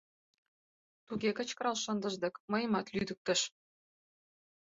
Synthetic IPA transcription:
t̪uɣʲekə̆t͡ɕkɤ̆ɾɑlʃɤ̆nd̪ə̆ʒd̪ɤ̆kmɤ̆jə̆mɑt̪lyd̪ə̆k̚t̪ə̆ʃ

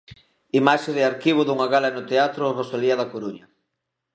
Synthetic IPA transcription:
imaʃeðɪaɾkiβ̞ʊðuŋaɣalɐenʊt̪eat̪ɾorosoliɐðakoɾuɲɐ

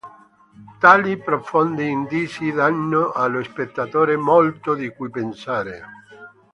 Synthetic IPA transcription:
t̪aːlipɾofɔnd̪iːnd̪isid̪anːoʔaloespet̪ːat̪oːɾemɔlt̪od̪ikujpensaːɾe

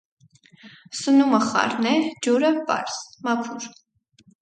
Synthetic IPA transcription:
sənuməχɑ̰ɾnɛd͡ʒuɾəpɑ̰ɾsmɑkʰuɾ

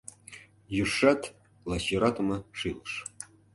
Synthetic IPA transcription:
jyrʂːɑt̪ | lˠɑɕiɾɑt̪ɤ̆mɤʂɯlˠɤ̆ʂ

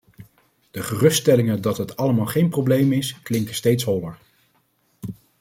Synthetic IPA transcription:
d̥əχərɵstɛlɪŋəndɑtɦətɑləmaːlˠχejnprowblejmɪsklɪŋkəstejtsɦɔləɹ

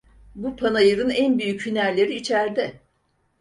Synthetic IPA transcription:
bupʰanajɯɾɯnænbyjychynæɾlʲe̞ɾiːt͡ʃʰæɾd̪ɛ

